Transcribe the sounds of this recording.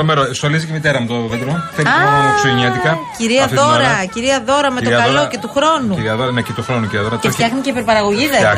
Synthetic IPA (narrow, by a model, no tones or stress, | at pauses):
omeɾost̪olizicemit̪eɾɐmut̪ooðet̪eɾonθelɐmeksoɲiɐt̪ikɐciɾiɐðoɾɐciɾiɐðo̞ɾɐme̞t̪oɐllo̞ce̞t̪uxɾo̞nuɾiɐðoɾɐnecet̪oxɾonuciiɐðoɾɐt̪eft̪çɐxniceipeɾpɐɾɐɣo̞ʝiðe